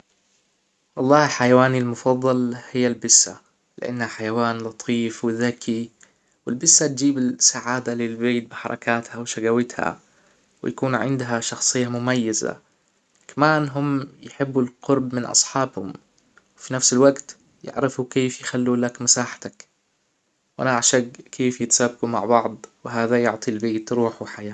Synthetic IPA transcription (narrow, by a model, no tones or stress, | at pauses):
wɑlˤːɑːhħajawaːnilmʊfɑðˤːɑlhɪjːalbɪsːa̰ | lɪ̰ʔa̰nːhaħajawaːnlɑt̪ˤʰiːfwɪðakʰi | wɪlbɪsːat̪̚d͡ʒiːbɪsaʕaːd̪alɪlbeːt̪̚bɪħɑ̰ɾˤɑ̰kaːt̪hawʃaɡawɪt̪ha̰ | wɪjakuːnʕɪ̰nd̪ɦaʃɑxsˤɨjːamʊmajːaza̰ | kamaːnɦʊmːjɪħɪbːulqʊɾbmɪnʔɑ̰sˤħɑːbhʊ̰m | wɪfinafsɪlwaɡt̪ | jɪ̰ʕɾɪfukeːfjxalːuːlakmasaːħḁt̪ak | wʔa̰nʔaʕʃaɡkʰeːfjɪt̪sabːɡuma̰ʕbɑʕd̪ˤwɪɦaːðajʊʕt̪ˤilbeːt̪ɾuːħuwħajaː